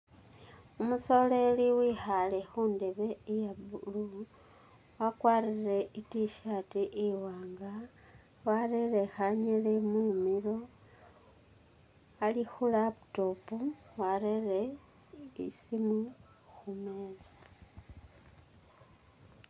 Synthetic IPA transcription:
umuso̞le̞liwixale̞xuːnde̞βe̞ijabulu | wakwaːrire̞itiʃatiʔiwaːŋɡa | warere̞xaɲelemumiɾo̞ | alixulaputo̞po | warere̞ | isimu | xumeːzi̥

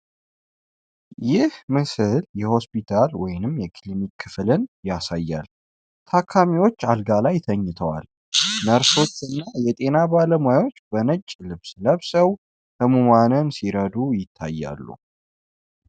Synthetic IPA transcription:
jɪhmɨsɨljɛho̞spit̪ʰalwɔjnɨmːjɛkʰlimikʰːɨflɨnjasajːa̰l | t̪ʰakʰːamiwo̞t͡ʃːalɡalajt̪ʰəɲːɨt̪ʰəwa̰l | nəɾso̞t͡ʃːɨnːajɛt̪ʼe̞nabaləmujawo̞t͡ʃːbənət͡ʃʼːlɨβsləβsəw | hɨmumanənsiɾəd̪ujɪt̪ʰːa̰jːa̰lːṵ

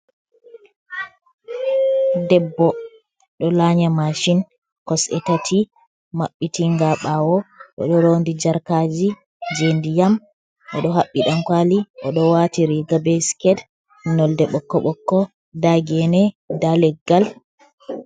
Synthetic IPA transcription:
dɛbːɔ | ɗɔlaɲamaʃin | kɔsɛ̰tatʰi | maɓːitiŋɡaɓawɔɗɔ̰ɗɔɾondid͡ʒaɾkad͡ʒi | d͡ʒendijam | ʔɔɗɔɦaɓːiɗankwaliʔɔɗɔwatiɾiɡabɛskɛd | nɔldɛɓɔkːɔɓɔkːɔ | daɡɛnɛdalɛɡːal

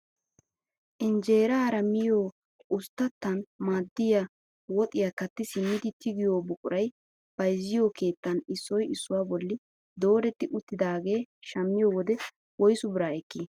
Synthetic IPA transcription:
ʔɪnd͡ʒe̞ːɾɐːɾɐmɪjoː | ʔʊst̪ːɐt̪ːɐnmaːd̪ːɪja | wɔt̪ʼɪjakɐt̪ːɪsɪnːɪd̪ɪt̪ʰɪɡɪjoːbʊkʼʊɾɐj | b̥ɐjzːɪjoːke̞ːt̪ːɐnɪsːɔjɪsːʊwaːbɔlːɪ | d̪o̞ːɾɛt̪ːɪʔʊt̪ːɪd̪aːɡe̞ːʃɐmːɪjoːwɔd̪ɛ | wɔjsʊbɪɾaːɛkːiː

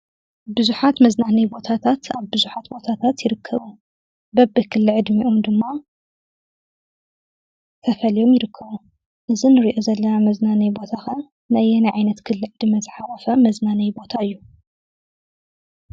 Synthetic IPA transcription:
bɨzuħat̪mɐznanɐjbo̞t̪ʰat̪ʰat̪aβbɨzuħat̪bo̞t̪ʰat̪ʰat̪jɪɾɨkʰːɐβu | bɐbɨkʰɨlːɨʕɨd̪miʔomd̪ɨmːa | t̪ʰɐfɐlijo̞mjɪɾɨkʰːɐβu | ʔɨzinɨɾiʔo̞zɐlːɐnamɐznanɐjbo̞t̪ʰaxɐ | najɛnɐʕajnɐt̪kʰɨlːɨʕɨd̪mɐzɨħalɐfɐmɐznanɐjbo̞t̪ʰaɨjːu

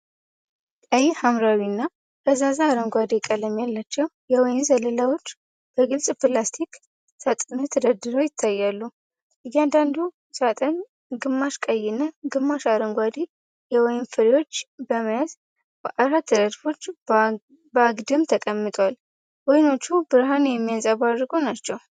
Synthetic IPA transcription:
kʼajɛhamɾawinːa | kʰəzazaːɾəŋɡʷad̪ikʼələmjalːat͡ʃːɛwjɛwɔjɪnzələlawo̞t͡ʃː | b̥əɡɨlsʼplast̪ʰik | sat̪ʼnɨt̪ʰɨd̪əd̪ɨɾowjɪt̪ʰːajːalːu | jːɛand̪and̪u | sat̪ʼəɲ | ɡɨmːaʃkʼəjːɪnəɡɨmːaʃaɾəŋɡʷad̪i | jɛwɔjɪnfɨɾewo̞t͡ʃːbəməjəz | ʔaɾat̪ːɨd̪əd̪fo̞t͡ʃː | bəaɡd̪ɨmt̪ʰəkʼəmːɨt̪ʼwal | wɔjno̞t͡ʃːubɨɾɦanjɛmːijazʼaβadɡo̞nat͡ʃːɛw

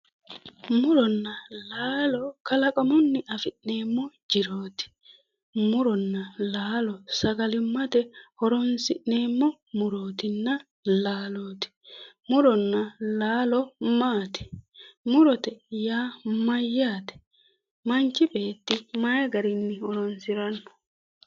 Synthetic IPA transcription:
mʊɾɔnːɐlaːlɔkɐlɐkʼɔmɔnːɪʔɐfɪʔne̞ːmːɔd͡ʒɪɾoːt̪ɪ̥ | mʊɾɔnːɐlaːlɔsɐɡɐlɪmːɐt̪ɛhɔɾɔnsɪʔne̞ːmːɔ | mʊɾoːt̪ɪnːɐ | laːloːt̪ɪ̥ | mʊɾɔnːɐlaːlɔmaːt̪ɛ̥mʊɾɔt̪ɛjaːmɐjːaːt̪ɛ̥ | mɐnt͡ʃːɪbe̞ːt̪ːɪmajɐɡɐɾɪnːɪhɔɾɔnsɪɾɐnːɔ̥

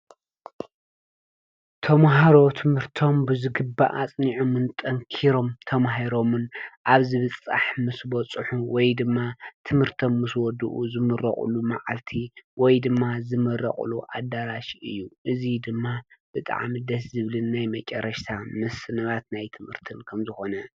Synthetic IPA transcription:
t̪ʰɐmɦaɾo̞t̪ʰɨmhɨɾt̪ʰo̞mbɨzɨɡɨbːa̰ʔat͡sʼniʕomɨnt̪ʼɐŋkʰiɾo̞mt̪ʰɐmaɦiɾo̞mɨnʔaβzɨβɨt͡sʼa̰ħmɨsbɔt͡sʼɨħuwɔjd̪ɨmːat̪ʰɨmhɨɾt̪ʰomːɨswɔd̪ɨʔuzɨmɨrɐ̰χʼṵluma̰ʕalt̪ʰiwɔjd̪ɨmːazɨmɐrːɐ̰χʼṵluʔa̰d̪aɾaʃɨjːuʔɨzid̪ɨmːab̥ɨt̪ʼa̰ʕmid̪ɐszɨβlɨnːajmɐt͡ʃʼɐɾɐʃt̪ʰamɨsɨnɐβat̪najt̪ʰɨmhɨɾt̪ʰɨnkʰɐmzɨxo̞nɐ

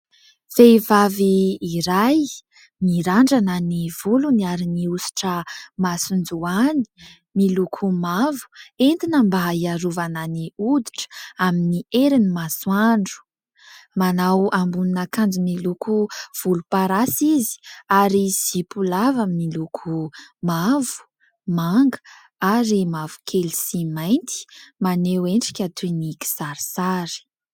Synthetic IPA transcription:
feivaviːɾaj | miɾaɳɖ͡ʐananiv̥uluniaɾiniusi̥ʈ͡ʂəmasund͡zuani̥ | milukʰumavu̥ent̪inəmbaaiaɾuvananiud̪i̥ʈ͡ʂə̥aminiʔeɾinimaswaɳɖ͡ʐu̥ | manawʔambuninakand͡ʒinilukuv̥ulupaɾasizi̥aɾizipulavaminilukʰumavu̥ | maŋɡə̥ | aɾimavu̥kʰelisimajnt̪i̥maneweɳʈ͡ʂi̥kʲat̪ʰwiniki̥saɾisaɾi̥

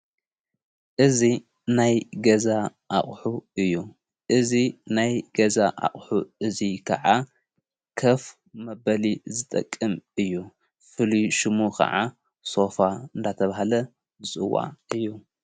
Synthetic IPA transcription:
ʔɨzi | najɡɐzaʔaχʼħuɨjːu | ʔɨzinajɡɐzaʔa̰χʼħuʔɨzikʰɐ̰ʕa | kʰɐf | mɐbɐlizɨt̪ʼɐ̰kʼːɨmɨjːu | fɨliʃɨmukʰɐ̰ʕa | so̞faɨnd̪ʰat̪ʰɐβahlɐ | bɨt͡sʼɨwa̰ʔɨjːu

